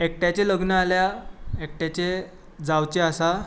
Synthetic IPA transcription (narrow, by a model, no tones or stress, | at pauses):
ek̚ʈjat͡ɕeləɡnəaljaek̚ʈjat͡ɕe | d͡zawt͡ɕeasa